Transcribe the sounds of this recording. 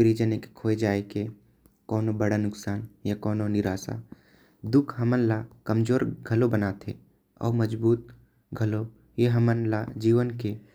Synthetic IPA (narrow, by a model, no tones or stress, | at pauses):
ɾid͡ʒənekkʰoːed͡ʒaːeke | kɔːnobəɽanʊksaːnjakɔːnonɪɾaːsa̰ | d̪ʊkʰɦəmənlakəmd͡ʒoːɾɡʱəlobənat̪ʰḛ | ɔ̰ːməd͡ʒbuːt̪̚ | ɡʱəlo | jeɦəmənlad͡ʒiːʋənke